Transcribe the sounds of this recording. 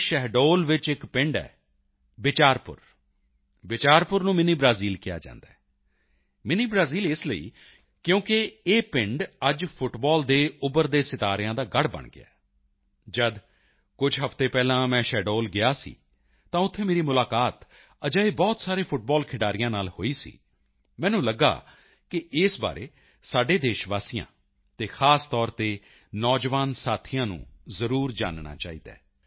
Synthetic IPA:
ʃɛɦɖoːlʋɪt͡ʃɪkpɪ̃ɳɖɛ̰ː | bɪt͡ʃaːɾpʊ̰ɾ | bɪt͡ʃaːɾpʊɾnũːmɪniːbɾaːziːlkɪja̰ːd͡ʒã̰ːnd̪aːɛː | mɪniːbɾaːziːlɪsləḭː | kjõːkeeːpɪ̃ɳɖəd͡ʒpʰʊʈbɔːld̪eːʊbəɾd̪eːsɪt̪aːɾɪjãːd̪aːɡəɽbə̰ɳɡɪ̰a̰ː | d͡ʒəd̪ | kʊd͡ʒɦəft̪eːpɛːlãːmɛ̃ːʃɛːɖoːlɡɪaːsḭː | t̪ãːʊt̪ʰːeːmeːɾiːmʊlaːkaːt̪ | əd͡ʒaːiːbɔːt̪saːɾeːpʰʊʈ̚bɔːlkʰɪɖaːɾɪjãːnaːlho̰ːiːsḭː | mɛ̃ːnũːləɡa̰ː | kɪsba̰ːɾḛː | saːɖeːd̪eːʃʋaːsijã̰ː | t̪eːxʰaːst̪ɔːɾt̪eː | nɔːd͡ʒʋaːnsaːt̪ʰɪjãːnṵ̃ːzəɾuːɾd͡ʒa̰ːnna̰ːt͡ʃa̰ːḭːd̪a̰ː

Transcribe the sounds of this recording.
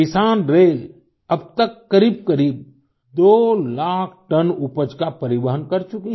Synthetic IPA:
kɪsaːnɾeːl | ɐb̚t̪əkːɐɾiːb̚kɐɾiːb̚ | d̪oːlaːkʰʈənupəd͡ʒkapɐɾɪbəɦənkɐɾt͡ʃʊki

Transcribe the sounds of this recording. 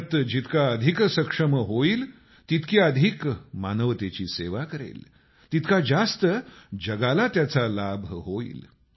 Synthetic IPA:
t̪d͡ʑit̪kaəd̪ʱiksəkʂəməɦoiːl | t̪it̪kʰiəd̪ʱikmanəʋt̪et͡ɕiːseʋakəɾḛl | t̪it̪kad͡zast̪əd͡ʑəɡalat̪jat͡salabʱɦoḭːl

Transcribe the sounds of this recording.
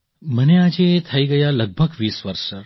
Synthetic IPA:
mənead͡ʒet̪ʰəiɡəjaləɡ̚bʱəɡʋiːsʋəɾʃəɾ

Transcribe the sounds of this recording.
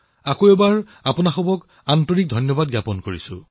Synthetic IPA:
akoɛbaɹ | apʊnaxɔbɔk | antoɹik̚dʱɔjnjɔbad̚ɡjapɔnkoɹisʊ̰̃

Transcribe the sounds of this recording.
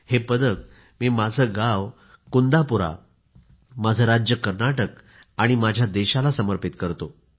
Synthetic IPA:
hepəd̪ək̚ | miːmad͡zʱəɡaʋ | kund̪apuɾa̰ | mad͡zʱəɾad͡ʑjəkəɾnaʈək | aɽ̃imad͡ʑʱjad̪eɕalasəməɾpit̪kəɾt̪o

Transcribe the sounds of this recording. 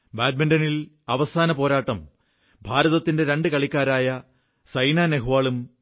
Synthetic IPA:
baːd̚mɐndɐnil | ɐʋɐsaːnɐpo̞ːɾaːʈːɐm | bʱaːɾɐðɐt̪ːinde̞ɾe̞ɳɖɨkɐɭikʲːaːɾaːjɐ | sɐjnaːneɦuʋaːɭum

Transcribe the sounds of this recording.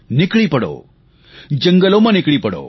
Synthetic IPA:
nikɽipɐɽo̰ | d͡ʒə̃ŋɡəlomanikɽipɐɽo̰

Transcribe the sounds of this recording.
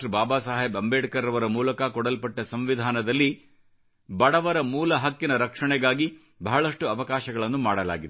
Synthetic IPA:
baːbaːsaːɦebɐmbeːɖkɐɾɐʋɐɾɐmuːlɐkɐkɔɽɐlpɐʈːɐsɐmʋid̪ʱaːnɐd̪ɐlːi | bɐɽɐʋɐɾɐmuːlɐɦɐkːinɐɾɐkʂɐɳɛɡaːɡi | bɐɦɐɭɐʂʈuɐʋɐkaːʃɐɡɐɭɐnːumaːɽɐla̰ːɡid̪e

